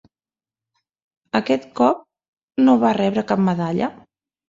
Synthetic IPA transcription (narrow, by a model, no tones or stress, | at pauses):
əkɛt̪kɔp̚ | noβarɛβɾəkap̚məðaʎə